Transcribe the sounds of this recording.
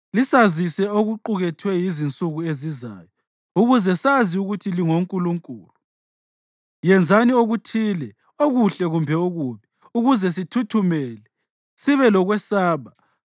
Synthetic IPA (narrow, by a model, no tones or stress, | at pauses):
lisazisɛoɣuǃuɣɛtʰwɛjizint͡sʼuɣueziza̰jɔ | uɣuzɛsaziuɣutʰiliŋoŋkʼuluŋkʼṵːlu | jɛnd͡zʱanioɣutʰiːlɛ | oɣuɬɛɣumbʱɛoɣuβɛ | uɣuzɛs̬itʰutʰumɛːlɛ | siβɛlɔɣwɛsaːβa